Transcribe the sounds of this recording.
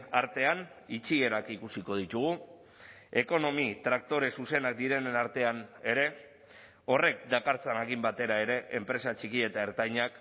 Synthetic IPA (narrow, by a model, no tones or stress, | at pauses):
aɾt̪e̞anit͡sie̞ɾakikusiko̞ð̞it̪uɣ̞u | e̞ko̞no̞mit̪ɾak̚t̪o̞ɾe̞suse̞nak̚d̪iɾe̞naɾt̪e̞ane̞ɾe̞ | o̞re̞k̚d̪akaɾt͡sanaɣimbat̪e̞ɾae̞ɾe̞ʔempɾe̞sat͡ʃikie̞t̪aeɾt̪ajɲak